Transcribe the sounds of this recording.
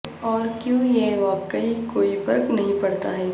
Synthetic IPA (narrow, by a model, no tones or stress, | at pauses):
ɔːɾkjũːjeʋaːkːaikoːipɐɾknɐɦĩpɐɽt̪aɦɛː